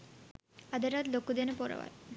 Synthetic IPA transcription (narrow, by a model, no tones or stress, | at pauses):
ad̪eɾat̪lokːud̪enepoɾa̰wa̰j